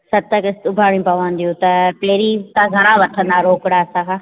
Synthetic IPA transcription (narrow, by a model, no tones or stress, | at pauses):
sɐt̪əkɪst̪ʊbʱaːɽj̃ũpɐʋə̃nd̪ijũt̪ɐpeːɾit̪ãɡʱɐɾãʋɐʈʰə̃nd̪aːɾoːkɪɽaɐsãkʰãː